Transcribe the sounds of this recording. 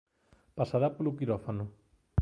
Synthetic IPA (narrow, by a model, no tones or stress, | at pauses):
pasaɾapolukiɾofanu